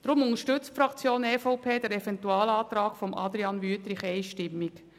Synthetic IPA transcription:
d̥ɾʊmʊnəʃtʏt͡stfɾɑkt͡sjoːnɛːfɔʊpʰeːdɛɾɛvɛntuaːlaːt̪ɾaːkfɔmʔɑ̰d̪ɾiɑnvyət̪ɾɪχɛɪʃtɪmːik

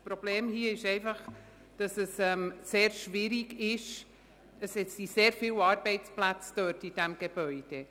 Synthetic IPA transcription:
spɾɔb̥leːmhiːəɪʃɛɪfɑχ | d̥ɑsɛsɛmseːɾʃvɪɾiɡɪʃ | dɑsɛt͡siseːɾfɪwɑːɾbɛɪt͡splæt͡stœtid̥ɛmɡ̥eb̥œʏd̥e

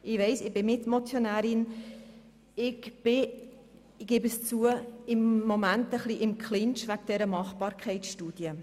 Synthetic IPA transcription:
ɪʋɛɪsɪbɪnɪtmot͡sjonæːɾɪn | ɪɡb̥ɪ | ɡ̥ɪbəst͡suːəɪmːomæntəχliʔɪmkχlɪnt͡ʃʋæk̚d̥ɛɾəmɑχpɑːɾkʰɛɪt͡sʃtuːd̥jə

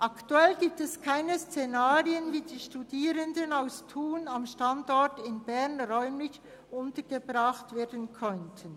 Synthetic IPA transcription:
ʔaktuɛlɡiːp̚tɛskʰaɪnəst͡senaːʁiənviːdiːʃtudiːɾəndənaʊstʰuːnamʃtandɔɹtɪnbɛʁnʁœʏmlɪç | ʔʊntəɡ̥əbʁaχtv̥eːɐdənkʰœntʰən

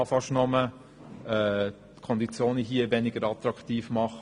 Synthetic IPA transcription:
ɑfɑʃnɔmə | ɛ | kʰɔnd̪it͡sjoːniɦiəvɛnɪɡ̥əɾɑt̪ɾɑktiːfmɑχ

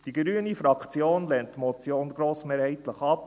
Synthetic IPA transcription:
d̥iɡɾyənifɾɑkt͡sjoːnlɛnttːmɔt͡sjoːnɡɾoːsmeːɾhɛɪtləχɑp

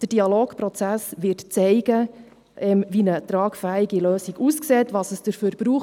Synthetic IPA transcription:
d̥əd̥iɑloːkpɾɔt͡sæsʋɪːtt͡sɛɪɡə | ʔɛmvinət̪ɾɑːkfæːiɡiløːsiɡuskseːtʋɑsəsd̥əɾfyːɾb̥ɾuː

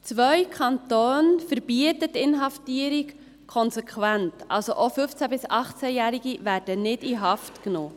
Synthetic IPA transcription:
t͡sʋœjkʰɑntoːnfəɾb̥iətətːɪnɦɑftiəɾik | kʰɔnsɛkʰwæntɑ̰lsoʔofʏft͡sæbɪsɑχt͡sæjæːɾiɡivæɾd̥ənɪdiɦɑftknoː

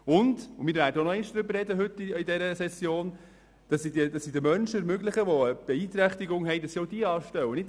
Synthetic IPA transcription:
ʊndʊmɪːɾvæːɾdəonɔɛɪnʃd̥ɾʏbəɾːɛdəɦʏtːiidɛɾəsɛsjoːn | d̥ɑsːidədɑsːidəmœnʃəəɾmøɡlɪχəʋɔəb̥ɛiːt̪ɾæχt̪iɡʊŋɦɛɪdɑsːioʊd̥iəɑːʃtɛwənɪt

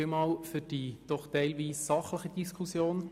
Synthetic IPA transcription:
ɪmɑːlfyd̥id̥ɔχtɛɪlʋiːsːɑχləχəd̥iskχusjoːn

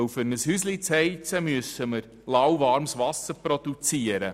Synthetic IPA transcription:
wfʏɾnəshyːslit͡shɛɪt͡səmyəsəməɾ | lawvɑɾmsvɑsəɾprodut͡siəɾə

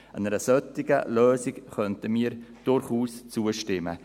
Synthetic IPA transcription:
ənəɾəsœtɪɡ̥ə̰løːsɪkχœntəmiːəɾd̥ʊɾχuːst͡suəʃtɪmə̰

